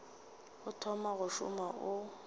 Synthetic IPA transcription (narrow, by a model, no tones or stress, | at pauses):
ɣʊtʰɔmaɣʊʃʊ̰maʔʊ